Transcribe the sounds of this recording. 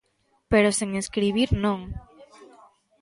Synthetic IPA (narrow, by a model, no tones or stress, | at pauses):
peɾoseŋeskɾiβ̞iɾnõŋ